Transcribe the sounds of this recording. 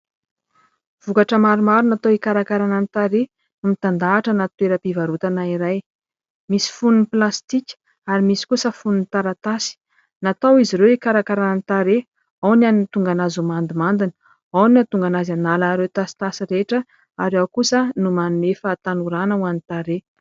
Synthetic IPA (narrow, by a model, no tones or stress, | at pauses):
v̥ukaʈ͡ʂəmaɾumaɾunat̪oikaɾakaɾananit̪aɾe | numit̪and̪aːʈ͡ʂənat̪weɾəpivaɾut̪anaiɾaj | misi̥fununiplast̪ikʲə̥ | aɾimisi̥kusəfununit̪aɾat̪asi̥ | nat̪awiziɾewikaɾakaɾananit̪aɾe | awnanint̪uŋɡanazumand̪imand̪inə̥ | awniat̪uŋɡanazanalanɾewt̪asi̥t̪asiɾeʈ͡ʂə | aɾakusənumanunefat̪anuɾanəuanit̪aɾe